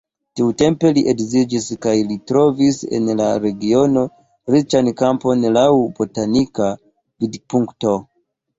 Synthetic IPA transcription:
tiute̞mpe̞liʔekzid͡ʒiskajlitɾo̞vise̞̰nlaɾe̞ɡio̞no̞ | ɾit͡ʃankampo̞nlawbo̞tanika | vidpuŋkto̞

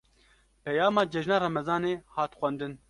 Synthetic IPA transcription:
pɛjɑːmɑːd͡ʒɛʒnɑːɾɑmɛzɑːneːhɑːt̪xʷɛnd̪ɨn

